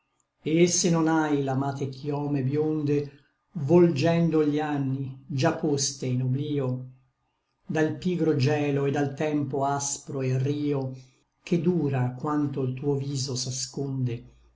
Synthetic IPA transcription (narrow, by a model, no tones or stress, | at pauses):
eesːenonajlamaːt̪ekʰjɔːmebjond̪e | vold͡ʒɛnd̪oʎianːid͡ʒapːost̪einobliːo | d̪alpiːɡɾod͡ʒɛːloed̪ːalt̪ɛmpoaspɾoeriːo | kʰed̪uːɾakwant̪oilt̪uːoviːzosaskond̪e